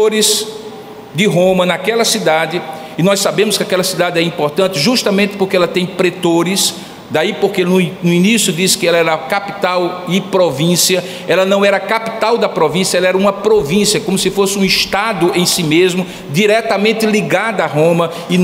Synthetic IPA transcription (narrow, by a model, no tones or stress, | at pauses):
oɾɪs | d̪ɪɦõmɐnakɛlɐsid̪ad̪ɪː | nɔjsabẽmʊskɪakɛlɐsid̪ad̪ɪɛɾĩpoɾt̪ɐ̃nt̪ɪʒuʃt̪ɐmẽnt̪ɪ̥poɾkeɛlɐt̪ẽj̃pɾet̪oɾɪs | d̪aipoɾkenʊnʊinisjʊd̪isɪ̥kɪɛlɐɛɾɐkapi̥t̪awɪpɾovĩsiɐ | ɛlɐnɐ̃w̃ɛɾɐkapi̥t̪awd̪ɐpɾovĩsjɐɛlɐɛɾɐũmɐpɾovĩsiɐkõmʊsɪfosɪũiʃt̪ad̪ʊẽj̃simezmʊ | d̪iɾɛt̪ɐmẽnt̪ɪliɡad̪ɐaɦõmɐ | ɪ